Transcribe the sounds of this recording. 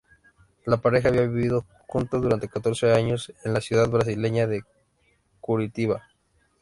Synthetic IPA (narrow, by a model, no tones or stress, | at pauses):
lapaɾe̞xaːβiaβiβiðo | kunt̪oðuɾant̪e̞kat̪o̞ɾseaɲo̞se̞nlasjuðaðβɾas̬ileɲaðe̞ | kuɾit̪iβa